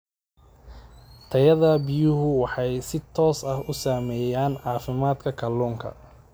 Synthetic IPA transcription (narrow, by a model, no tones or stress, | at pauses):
t̪ʰɐjɐðɐbɪjʊɦʊwɑħɑjsɪt̪ʰɔːsɐhʊsaːmɛːjaːnʕɑːfɪmaːd̪kʰɐkʰɐlɔːŋkʰɐ̰